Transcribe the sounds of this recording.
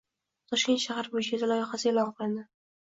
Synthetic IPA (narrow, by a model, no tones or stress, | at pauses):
t̪ʰɒʃkʲe̞nt̪ʃaɦaɾbojɪʃt͡ʃʰad̪alˠɒjɪχasɪelˠɒɴqʰɨlˠd̪ɪ